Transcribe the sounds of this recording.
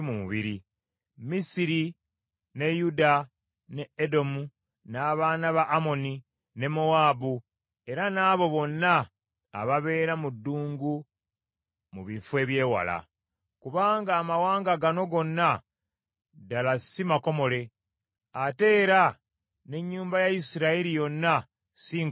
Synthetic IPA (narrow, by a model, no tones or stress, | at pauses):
mumṵβiɾi | misiɾi | ne̞juda | ne̞edo̞mu | naːβaːnaβaʔːmo̞ni | ne̞moaːbu | e̞ɾanaːβo̞βo̞nːaː | βaβe̞ːɾamudːuːŋɡu | muβiɱfwe̞ːβje̞ːwa̰la̰ | kuβaːŋɡaːmawaːŋɡaɡano̞ɡo̞nːa | dalasimako̞mo̞le̞ | ate̞ːɾa | ne̞ɲːuːmbajaisiɾailijo̞nːa | siːŋ